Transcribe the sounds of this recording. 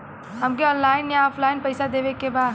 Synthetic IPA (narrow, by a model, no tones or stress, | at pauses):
ɦɐmkeɔ̃ːnlaːɪnjaɔːfʰlaːɪnpɐɪsad̪eːʋekebaː